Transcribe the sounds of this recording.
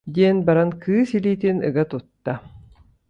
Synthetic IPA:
d̪iɛnbaɾankɯːsiliːt̪inɯ̰ɡat̪ut̪ːa

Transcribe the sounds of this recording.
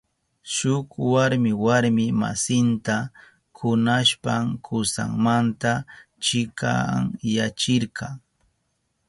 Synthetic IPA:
ʃʊkwaɾmɪwaɾmɪma̰sɪnt̪a | kʰʊnaʃpaŋkʰʊsa̰ŋmant̪a | t͡ʃɪka̰ŋjat͡ʃɪɾqɑŋ

